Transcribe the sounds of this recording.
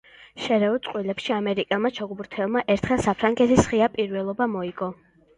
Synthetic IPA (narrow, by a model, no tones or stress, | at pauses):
ʃɛɾɛɔt̪sʼqʼwilɛpʃiamɛɾikʼɛlˠmat͡ʃʰɔɡubuɾt̪ʰɛlˠmaʔɛɾt̪ʰχɛlˠsapʰɾaŋɡɛt̪ʰisʁiapʼiɾvɛlˠɔbamɔiɡɔ